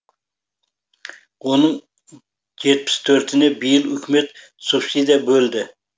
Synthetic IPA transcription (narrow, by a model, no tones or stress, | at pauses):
onɨŋ | d͡ʒet̪̚mʰɪ̥st̪ʰøɾt̪ʰɪnɛbɪjɪlʏkʰʲmɛt̪ | supsid̪ɑbøld̪ɪ